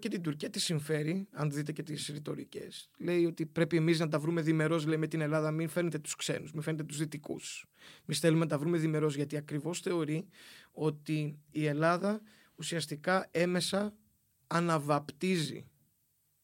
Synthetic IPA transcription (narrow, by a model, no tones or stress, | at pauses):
cet̪ind̪uɾciɐt̪isiɱfe̞ɾiɐnðit̪e̞ce̞t̪isɾit̪o̞ɾice̞̰sle̞io̞t̪ipɾe̞pie̞miznɐt̪ɐvɾume̞ðime̞ɾo̞zleime̞t̪ine̞lɐðɐminfeɾnet̪e̞t̪u̥skse̞̰nuzmifenet̪et̪uzðit̪ikṵsemisθelumenɐt̪ɐvɾume̞ðime̞ɾo̞zʝɐt̪iɐkɾivo̞sθe̞o̞ɾio̞t̪iːe̞lɐðɐ | usiɐst̪ikɐe̞me̞sɐː | nɐvɐpt̪izḭ